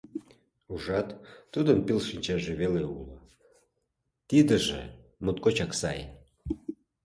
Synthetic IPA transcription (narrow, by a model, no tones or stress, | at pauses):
uʒɑt̪ːud̪ənpilʃinʲt͡ɕɑʒeβeleṵlə | t̪id̪əʒḛmut̪̚kot͡ɕɑksɑ̰j